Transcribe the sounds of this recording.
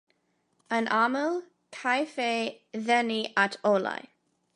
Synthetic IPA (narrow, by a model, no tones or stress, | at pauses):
ənʔaməlˠ | kʰajfeː | ðɛniatʰola̰j